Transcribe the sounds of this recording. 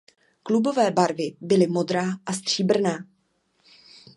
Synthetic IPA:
klubo̞vɛːbaɾvɪbɪlɪmo̞d̪ɾaːʔast̪r̝̥iːbr̩naː

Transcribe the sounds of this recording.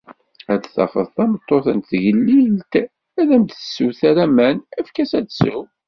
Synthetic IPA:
æd̪θɑ̰fə̰ðˤθæmət̪ˤːoθənt̪ʝəlːilt̪ | æðæmt̪əsːuθæɾæmænæfkæsæd̪sʊ

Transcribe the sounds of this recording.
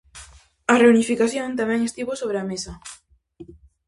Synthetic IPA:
ɐreunifikaθjõnt̪amɛ̃ŋest̪iβosoβ̞ɾeamesɐ

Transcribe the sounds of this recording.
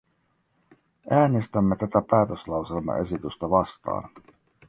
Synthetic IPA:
æːnest̪æmːet̪æt̪æpæːt̪øslɑwse̞lmɑ̰ʔe̞sit̪yst̪ɑʋɑst̪ɑ̰ːn

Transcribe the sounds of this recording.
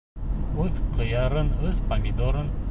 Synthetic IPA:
øðqʰɤ̆jɑɾɤnɵðpɐmʲid̪oɾɤn

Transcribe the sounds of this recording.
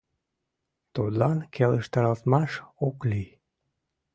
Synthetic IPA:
t̪od̪lɑnkʰeləʃt̪ɑɾɑlt̪mɑʃokli

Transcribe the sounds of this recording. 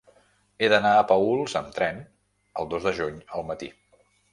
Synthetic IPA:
eðənaəpəulˠzəmt̪ɾɛn | əlˠd̪ozd̪əʒuɲəlˠmət̪ḭ

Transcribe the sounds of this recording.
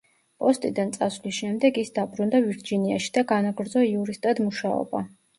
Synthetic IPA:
pʼɔst̪ʼid̪ant̪sʼasvlisʃɛmd̪ɛɡisd̪abɾund̪aviɾd͡ʒiniaʃi̥d̪̥aɡanaɡɾd̪zɔiuɾist̪ʼad̪muʃaɔ̰ba

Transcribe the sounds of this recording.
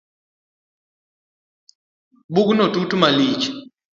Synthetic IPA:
buknɔtutumalit͡ʃ

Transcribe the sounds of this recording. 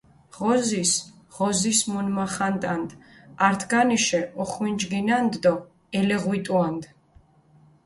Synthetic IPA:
ʁɔzis | ʁɔzismunmaχant̪ʼand̪aɾt̪ʰɡaniʃɛɔχwind͡ʒɡinand̪d̪ɔ | ɛlɛʁwit̪ʼuand̪

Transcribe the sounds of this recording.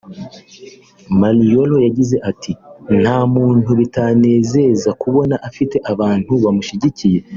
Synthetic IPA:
malijo̞lojaɟize̞ʔatin̥haːmuːn̥huβitane̞ːze̞zakuβo̞naʔafite̞ʔaβaːnhuβamuʃiɟicije̞

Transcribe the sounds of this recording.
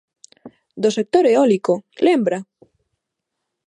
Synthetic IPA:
d̪osek̚t̪oɾeɔlikolembɾa

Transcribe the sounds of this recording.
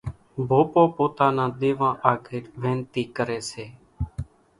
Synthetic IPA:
bʱoːpoːpoːt̪aːnãːd̪eːʋãːʔaːɡʰeːɾʋẽːnt̪iːkəɾeːseː

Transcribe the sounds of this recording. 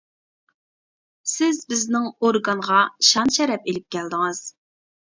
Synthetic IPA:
sɪzbɪznɪŋoɾɡɑnʁɑʃɑnʃɛɾɛpelɪp̚kʲʰɛld̪ɪŋɨz̥

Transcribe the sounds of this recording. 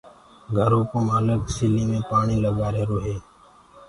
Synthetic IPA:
ɡʱəɾoːkoməːləksɪliːmẽːpaːɳiːləɠaːɾeːɾoːɦeː

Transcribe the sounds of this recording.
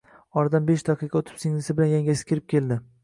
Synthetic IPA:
ɒɾd̪ambeʃd̪aqʰɨqʰɑot̪ʰɪ̥pseŋlɪsɪbɪlanjaŋɡʲasɪ̥kʲeɾɪp̚kʲʰe̞ld̪ɪ

